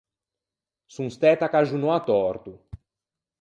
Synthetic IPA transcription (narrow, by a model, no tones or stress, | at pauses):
sũst̪ɛt̪akaʒunoat̪ɔɾt̪u